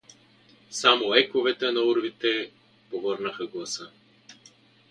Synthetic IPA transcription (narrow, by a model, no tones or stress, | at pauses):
samoɛkovɛt̪ɛnɐuɾvit̪ɛ | povɤɾnɐxəɡlˠɐsə